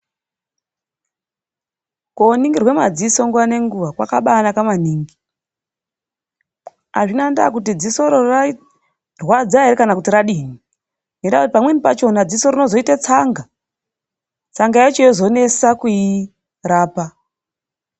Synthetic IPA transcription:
koniŋɡirwe̞ma̰d͡ziso̞ŋɡuane̞ŋɡuʋakwakaɓaːnakamaniːŋɡi | a̰ʐinanda̰k̬utid͡ziso̞ɾor | rwad͡zaɦeɾekanakutiɾaɗiːmi | ŋendakutipamwe̞nipat͡ʃo̞nad͡ziso̞rino̞zo̞itat͡saŋɡa | t͡saŋɡaet͡ʃojozo̞ne̞sakui | raːpa

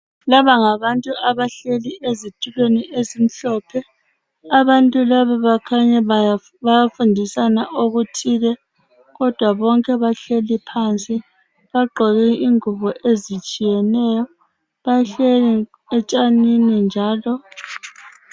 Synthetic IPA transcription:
laβaŋaβantʼuaβaɬeliʔezitʰʼulweniʔezim̩ɬɔːpʰɛ | aβantʼulaβaβakʰaɲɛ | βajafundʱisanaʔoɣutʰiːɣɛ | ɣɔd̥ʱwaβɔŋkʼɛβaɬelipʰant͡sʼi | βaɡ͡ǃʱɔɣɛiŋuβɔʔezit͡ʃʼijɛnɛjɔ | βajɬeli | ɛt͡ʃʼaninind͡ʒʱaːlɔ

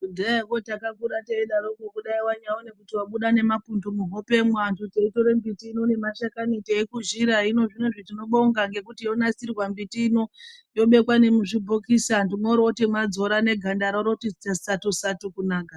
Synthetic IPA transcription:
kudakotakakuɾateiɗaɾokekuɗaiwaɲawone̞kutiwaɓuɗane̞mapundomuɦope̞mwantuteito̞ɾembitiːnonemaʃakaniteːkuʒiɾaino̞ʐineʐetino̞ɓo̞ŋɡaŋɡe̞kutijo̞nasirwambitiːnojo̞ɓe̞kwane̞muʐibʱokisandimoɾotimad͡zo̞ɾane̞ɡʱandaɾoɾotitasatusatukunaːka

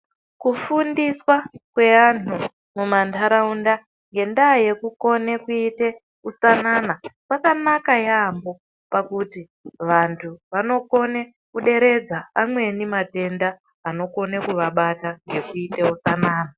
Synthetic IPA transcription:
kufundiswakwe̞anu | mumantʰaɾaunda | ŋɡe̞ndaje̞kuko̞ne̞kuite̞ | ut͡sanaːnakwakanakajambo̞ | pakuti | ʋantʰuʋano̞ko̞ne̞ | kuɗe̞ɾe̞d͡zaamwe̞nimate̞ndaː | no̞ko̞nekuʋaɓataŋɡe̞kuiteut͡sanaːna

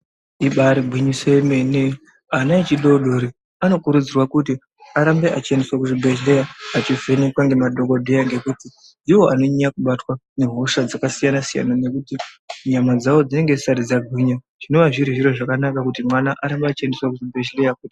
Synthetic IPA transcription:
iɓaɾiɡʱwiɲisemene | anait͡ʃiɗo̞ɗoɾi | ano̞kuɾud͡zirwakut̬i | aɾambe̞at͡ʃiendeswakuʐibʱe̞ʒle̞jaːt͡ʃivene̞kwaŋɡe̞maɗo̞ko̞dʱe̞jaŋɡe̞kuti | niwo̞ano̞ɲiakuɓatwane̞ɦo̞ʃad͡zakasijanasija̰nane̞kutiɲamad͡zawo̞d͡zineŋɡesaɾid͡zaɡʱwiɲa | ʐ̥ino̞ʋaʐiɾiʐiɾo̞ʐakanakakutimwanaʔaɾambeat͡ʃendeswakuʐibʱe̞ʃlejakuti

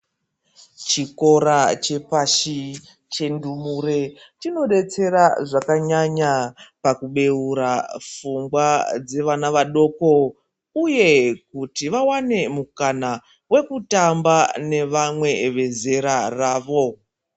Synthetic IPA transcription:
t͡ʃiko̞ɾat͡ʃe̞paʃi | t͡ʃe̞ndumure̞tino̞ɗe̞t͡se̞ɾaʐakaɲaɲapakuɓe̞uɾafuŋɡwad͡ze̞ʋanaʋaɗo̞ko̞ | uje̞kutiʋawane̞mukana | we̞kutambane̞ʋamwe̞ʋe̞ze̞ɾaraːʋo̞

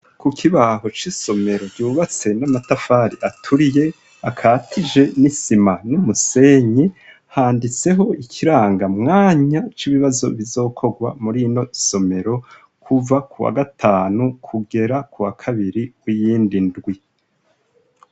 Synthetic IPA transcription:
kukʰiβaɦo̞t͡ʃiso̞me̞ɾo̞ɾɟuːβat͡se̞namatafaːɾiʔatʰuɾije̞ | akʰatʰid͡ʒe̞nisimanumuse̞ɲi | haːndit͡se̞ɦo̞ikʰiɾaːŋɡamŋaːɲat͡ʃiβiβazo̞̰βizo̞ːkʰo̞ɡwa̰muɾino̞so̞me̞ɾo̞ | kʰuvakʰuwa̰ɡatʰaːnukʰuɡe̞ɾakuwakʰaβiɾiwijiːndindɡwi

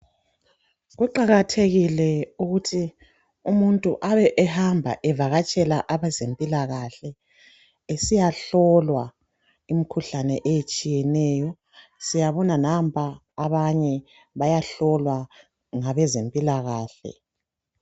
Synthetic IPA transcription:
ɣuǃaɣatʰeɣilɛuɣutʰi | umuntʼṵʔaβɛʔɛhambʱa̰ʔɛvaɣat͡ʃʼɛlaʔaβɛzempʼilaɣaɬɛ | esijaɬɔlwa | imikʰuɬanɛʔejet͡ʃʼijɛnɛːjɔ | sijaβɔnanampʼʰaː | βaɲɛ | βajaɬɔlwa | ŋaβɛzempʼilaɣaːɬɛ̰

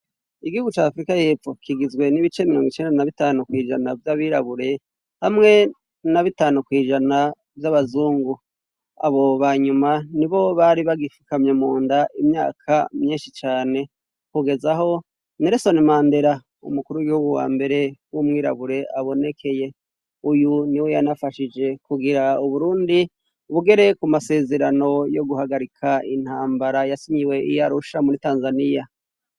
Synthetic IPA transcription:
iɡihuɡut͡ʃaːfɾikaje̞ːfo̞kʰiɡizɡwe̞niβit͡ʃe̞miɾo̞ːŋɡit͡ʃe̞ːndanaβitaːnukwiːʒanavjaβiɾaβuɾe̞ | hamŋe̞ | naβitaːnukwiːʒana | vjaβazuːŋɡu | a̰βo̞βaːɲumaniβo̞βaɾiβaɡifi̥kamɲemuːndaʔimɲa̰ːkʰamɲiːnʃit͡ʃaːne̞ | kuɡe̞zaho̞ | neɾeso̞nimaːnde̞ɾa | ṵmukuɾuwiɡihuɡuwa̰ːmbe̞ɾe̞wumŋiːɾa̰βuɾe̞ʔaβo̞ne̞kʰe̞je̞ | ujuniwe̞janafaʃid͡ʒe̞kuɡiɾauβuɾuːndi | βuɡe̞ɾe̞kumase̞ːze̞ɾano̞jo̞ɡuhaɡaɾikʰain̥haːmbaɾajasiɲiwe̞ʔḭjaɾuʃamuɾitaːnzanija

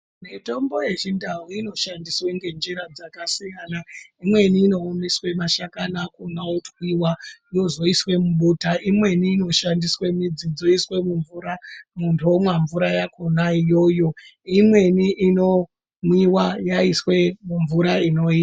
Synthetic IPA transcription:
mito̞mbo̞je̞ʐindawuino̞ʃandisweŋɡe̞nd͡ʒiɾad͡zakasijanaimwe̞niːno̞ːmeswe̞maʃakanakunaotwiwajo̞zo̞iswe̞muɓutaʔimwe̞niːno̞ʃandiswe̞mid͡zid͡zo̞iswe̞muɱvuɾamuntʰomwaɱvuɾajakʰo̞naijo̞ːjo̞imwe̞niʔino̞ | mwiwajaiswe̞muɱvuɾaino̞ia

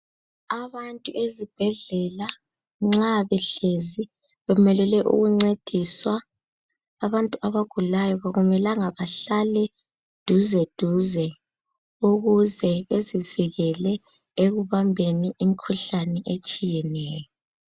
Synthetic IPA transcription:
aβantʼuʔezib̥ʱɛɮɛla | ŋ͡ǁaβɛɬezi | βɛmɛlɛlɛʔṵɣuŋ͡ǀed̥ʱiswaː | βantʼuʔaβaɡ̥ʱulajɔɣaɣumɛlaŋaβaɬalɛ | d̥ʱuzɛd̥ʱuzɛ | uɣuzɛβeziviɣɛlɛ | eɣuβambʱeniʔimikʰuɬanɛʔet͡ʃʼijɛnɛːjɔ

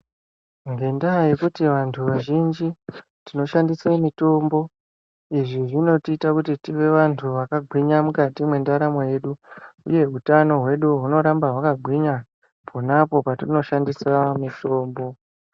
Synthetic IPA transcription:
ŋɡe̞ndajekutiʋantʰuʋaʒind͡ʒi | tino̞ʃandisemito̞mbo̞ | iʐiʐino̞tiːtakutitiʋe̞ʋantʰuʋakaɡʱwiɲamukatimwe̞ndaɾamo̞je̞ɗuuje̞utano̞ɦwe̞ɗuɦuno̞ɾambaɦwakaɡʱwiɲa | pʰonapo̞patino̞ʃandisamito̞ːmbo̞

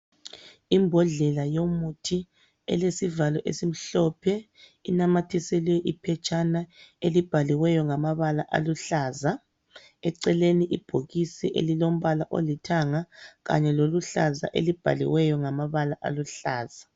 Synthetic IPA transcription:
imbʱɔɮɛlajomutʰi | ɛ̰lesivalɔʔḛsim̩ɬɔpʰɛ | ḭnamatʰisɛliwɛʔipʰɛt͡ʃʼanaelib̥ʱaliwɛjɔŋamaβalaʔa̰luɬaːza | ɛǀɛleniʔib̥ʱoɣisiʔḛlilom̩βalaʔo̰litʰaŋaɣa̰ɲɛloluɬaza̰ʔḛlib̥ʱa̰lḭwɛjɔŋamaβalaʔa̰luɬaːz̥a

